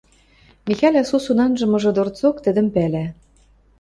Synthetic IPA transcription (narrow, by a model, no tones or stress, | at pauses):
mixɑlʲɑsusunɑnʒɤ̆mɤ̆ʒɤ̆d̪ort͡sokt̪ɘ̆d̪ə̆mpælæ